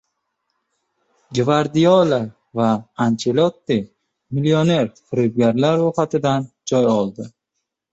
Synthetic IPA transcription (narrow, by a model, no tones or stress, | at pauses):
d͡ʒɪvaɾd̪ijɒla | vaːnt͡ʃʰelot̪ːɪ | milione̞ɾfʊɾɪb̚ɡʲaɾlaɾːʊχat̪ʰɪd̪and͡ʒɒjɒlˠd̪ɪ